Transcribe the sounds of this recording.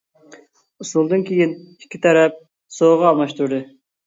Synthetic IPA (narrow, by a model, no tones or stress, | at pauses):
usulˠd̪ɨnkʲʰejinikʲːit̪ʰɛɾɛp̚ | soʁɑɑlˠmɑʃt̪uɾd̪ɨ